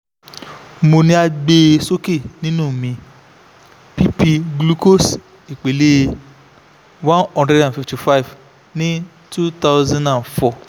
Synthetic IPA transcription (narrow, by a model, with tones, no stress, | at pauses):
mo˧nĩ˦a˧ɡ͡be˦so˦ke˦˨nĩ˦nũː˦˨mĩ˧ | pi˦pi˧ɡlu˦ko˦s | i˨k͡pe˨le˦˧ | wã˦nɔ̃˦ndɾɛ˦dã˨fi˨fti˨fa˦i˨v | nĩ˦ | tu˦t̪a˦ʊzã˦na˨nfɔ˦˨